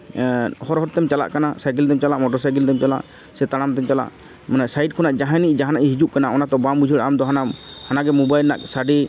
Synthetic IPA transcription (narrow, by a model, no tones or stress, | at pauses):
hɔɾɦɔɾt̪ɛmt͡ʃala̰ʔkanasajk̬ild̪ɛmt͡ʃalaʔmɔʈɔɾsajk̬ild̪ɛmt͡ʃala̰ʔ | sɛt̪aɽ̃amt̪ɛmt͡ʃala̰ʔ | manaʔsaiɖ̚kʰɔnaʔd͡ʒaɦãniʔd͡ʒaɦanaʔiɦid͡ʒuʔkanaɔnat̪ɔbambud͡ʒʱəɽamd̪ɔɦanahanaɡɛmubajlna̰k̚saɖi